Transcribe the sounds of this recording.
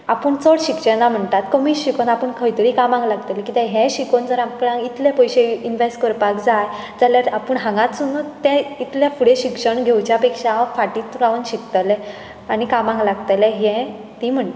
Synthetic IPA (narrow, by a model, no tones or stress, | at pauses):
apəɳt͡soɽɕikɕɛ̃nam̤əɳt̪at̪kəmiːɕikonapəɳkʰəjt̪əɾikamãŋɡlaɡt̪alɛkit̪ɛ̃ɦɛ̃ɕikond͡zəɾamkəɽãŋɡit̪lepəjɕeinʋesʈkəɾpakd͡zaj | d͡zaljaɾapəɳɦãŋɡãt̪sunut̪ːɛ̃it̪lãfuɽeɕikʂəɳɡʱewt͡ɕjapekʂafaʈit̪uɾaʋənɕikt̪alɛ | anikamãŋɡlaɡt̪alɛɦɛ̃ | t̪im̤əɳt̪